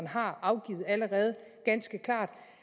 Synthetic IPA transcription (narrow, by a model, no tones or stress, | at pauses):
nɦɑ̈ɑ̈ʊɡ̥ḭːð̩ˠæləʁɛːð̞ˠɡ̥ænsɡ̥əkʰlɑ̰̈ːd̥